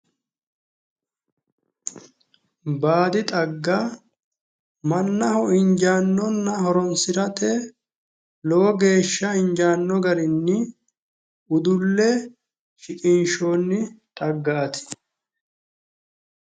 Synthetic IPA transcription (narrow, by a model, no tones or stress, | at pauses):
baːd̪ɪt̪ʼɐɡːa | mɐnːɐhɔɪɲd͡ʒaːnːɔnːɐhɔɾɔnsɪɾɐt̪ɛ | lɔwɔɡe̞ːʃːɐɪɲd͡ʒaːnːɔɡɐɾɪnːɪ | ʊd̪ʊlːɛ | ʃɪkʼɪnʃo̞ːnːɪt̪ʼɐɡːaːt̪ɪ̥